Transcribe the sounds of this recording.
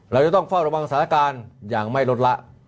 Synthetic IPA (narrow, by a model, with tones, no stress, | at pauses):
ɾa˧wt͡ɕa˧˩t̪ɔ˥˩ŋfa˥˩wɾa˧wa˧ŋsa˨˩˦nʰa˥˩kaː˧njaː˨˩ŋma˥˩jlo˦˥t̪̚la˦˥ʔ